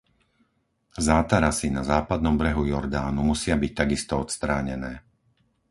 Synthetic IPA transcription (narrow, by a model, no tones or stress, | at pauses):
zaːt̪aɾasinazaːpad̪nɔmbɾɛɦujɔɾd̪aːnumusɪabic̚t̪aɡist̪ɔɔt̪st̪ɾaːɲɛnɛː